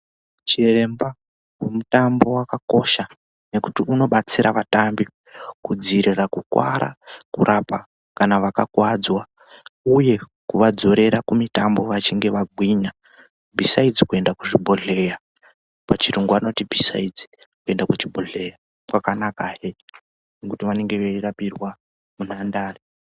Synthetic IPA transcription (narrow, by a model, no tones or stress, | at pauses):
t͡ʃire̞mba | wwemutambo̞wakako̞ʃa | ne̞kutiuno̞ɓat͡siɾaʋatambi | kud͡ziɾirakukwa̰ɾa̰kuɾʔapa | kanaʋakakwad͡zwa | uje̞ | kuʋad͡zo̞ɾe̞ɾakumitambo̞ʋat͡ʃiŋɡe̞ʋaɡʱwiɲa | bʱisaid͡zikue̞ndakuʐibʱoɮe̞ja | pat͡ʃiɾuŋɡuano̞tibʱisa̰id͡zi̥kue̞ndakut͡ʃibʱoɮe̞ja | kwakanakaɦe | nekutiʋane̞ŋɡe̞ʋeirapirwa | munandaːri